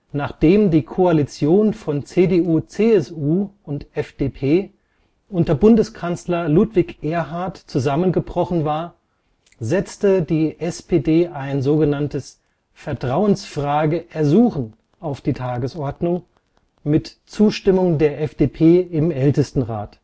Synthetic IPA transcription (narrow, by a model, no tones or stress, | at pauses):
naːχd̥eːmdiːkʰoalit͡sjoːnfɔnt͡seːdeuːt͡seːɛsuːʊntʔɛfd̥eːpʰeː | ʔʊntɐbʊndəskʰant͡slɐlutv̥ɪçʔeːɐɦaɐtt͡suzamənɡəbʁ̥ɔχn̩vaːɐ | zɛt͡stədiːʔɛspʰeːdeːʔaɪnzoːɡənantəs | fɛɐtʁ̥aʊənsfʁ̥aːɡəʔɛɐzuːxn̩ | ʔaʊfd̥iːtʰaːɡəsʔɔɐdnʊŋ | mɪtt͡suːʃtɪmʊŋdeːɐʔɛfd̥eːpʰeːɪmʔɛltəstn̩ʁa̰ːt